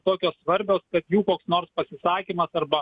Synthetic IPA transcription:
t̪oːkʲoːssʋɐɾʲbʲoːskɐt̪juːkoːksnoːrspɐsʲɪsɑːkʲiːmɐsɐrbɐ

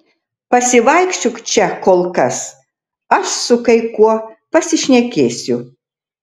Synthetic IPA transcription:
pɐsʲɪʋɐɪkʃʲt͡ʃʲʊkt͡ʃʲɛkoːlˠkɐs | ɐʃsʊkɐɪkuɔpɐsʲɪʃʲnʲɛkʲeːsʲʊ

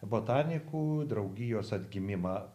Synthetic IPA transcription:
boːt̪ɑːnʲɪkuːd̪ɾɐʊɡʲɪjoːsɐd̪ʲɡʲɪmʲɪmɑ

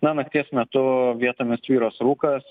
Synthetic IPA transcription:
nɐnɐk̚t̪ʲiɛsmʲɛt̪ʊʋʲiɛt̪oːmʲɪsʲt̪ʲʋʲiːɾoːsɾuːkɐs

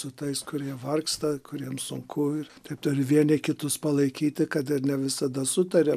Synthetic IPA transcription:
sʊt̪ɐɪskʊɾʲiɛʋɐrkst̪ɐkʊɾʲiɛmsʊŋkʰʊɪrt̪ɐɪpt̪ʊɾʲɪʋʲiɛnʲɪkʲɪt̪ʊspɐlˠɐɪkʲiːt̪ʲɪkɐt̪ɪrnʲɛʋʲɪsɐd̪ɐsʊt̪ɐɾʲɛ

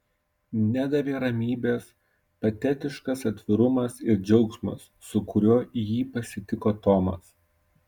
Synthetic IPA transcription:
nʲæd̪ɐʋʲeːɾɐmʲiːbʲeːs | pɐt̪ʲɛt̪ʲɪʃkɐsɐt̪ʲʋʲɪɾʊmɐsɪɾd͡ʒʲɛʊksmɐ̰sːʊkʊɾʲuːjiːpɐsʲɪt̪ʲɪkoːt̪oːmɐ̰s

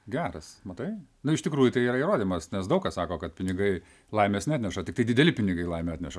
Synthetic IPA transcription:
ɡʲæːɾɐsmɐt̪ɐɪnʊɪʃtʲɪkɾuːjʊt̪ɐɪiːɾɐiɾoːd̪ʲiːmɐsnʲɛsd̪ɐʊkɐssɑːkoːkɐt̪̚pʲɪnʲɪɡɐɪ | lˠɐɪmʲeːsnʲɑt̪ʲnʲɛʃɐt̪ʲɪkt̪ɐɪd̪ʲɪd̪ʲɛlʲɪpʲɪnʲɪɡɐɪlˠɐɪmʲeɑːt̪nʲɛʃɐ

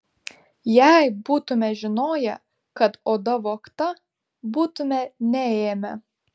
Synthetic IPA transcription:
jɛˑɪbuːt̪ʊmʲɛʒʲɪnoːjɛ̰ | kɐt̪oːd̪ɐʋoːkt̪ɐ | buːt̪ʊmʲɛnʲɛeːmʲɛ̰

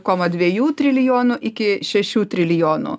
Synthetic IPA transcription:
koːmɐd̪ʲʋʲiɛjuːt̪ʲɾʲɪlʲjoːnʊʔɪkʲɪʃʲɛʃʲuːt̪ʲɾʲɪlʲɪjoːnʊ̰

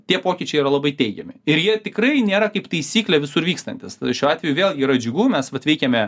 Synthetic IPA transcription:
t̪ʲiɛpoːkʲɪt͡ʃʲɛɪiːɾɐlˠɐbɐɪt̪ʲɛɪɡʲɛmʲɪɪɾjiɛt̪ʲɪkrɐɪnʲeːɾɐkɐɪpt̪ɐɪsʲiːklʲɛʋʲɪsʊɾʋʲiːkst̪ɐnʲt̪ʲɪsʃʲuːɑːt̪ʲʋʲɛjuːʋʲeːlˠɡʲiːɾɐd͡ʒʲʊɡuːmʲɛsʋɐt̪ʋʲɛɪkʲɛmʲɛ

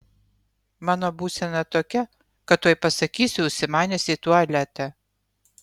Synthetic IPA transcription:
mɑːnoːbuːsʲɛnɐt̪oːkʲɛ | kɐt̪ːoɔjpɐsɐkʲiːsʲʊʊʃʲsʲɪmɑːnʲesʲɪt̪uɔɐlʲæt̪ʲɛ

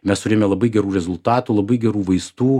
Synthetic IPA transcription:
mʲɛst̪ʊɾʲeːmʲɛlˠɐbɐɪɡʲɛɾuːɾʲɛzʊlˠt̪ɑːt̪ulˠɐbɐɪɡʲɛɾuːʋɐɪst̪uː

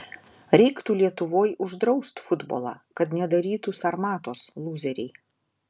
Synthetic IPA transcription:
ɾʲɛɪkt̪uːlʲiɛt̪ʊʋoːjʊʒd̪ɾɒʊst̪fʊd̪bo̰ːlˠɑ̰ːkɐt̪nʲɛd̪ɐɾʲiːt̪usɐɾmɑːt̪oːslˠuːzʲɛɾʲɛɪ

